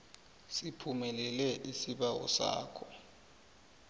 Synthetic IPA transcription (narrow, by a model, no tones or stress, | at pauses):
sipʰumɛlɛlɛʔisiɓawɔ̰sa̰ːkʰɔ